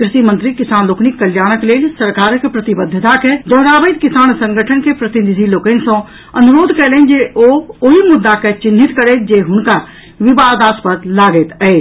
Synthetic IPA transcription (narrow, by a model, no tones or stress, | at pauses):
kɾɪsimə̃nt̪ɾikɪsaːnloːkʰnikːɐljaːñəkleːlsəɾkaːɾkpɾɐt̪ɪbəd̪ʱːət̪aked͡ʒ̪ɐɦɾaːbəjt̪kɪsaːñsə̃ŋɡʱəʈʰənkepɾɐt̪ɪnɪd̪ʱiloːkənsõ | ɐnuɾoːd̪ʱkɛlẽnd͡ʒeooɦimʊd̪ːaket͡ʃɪnɦit̪kəɾeːt̪d͡ʒeɦʊnka | ʋɪbaːd̪aːspət̪laːɡeːt̪əe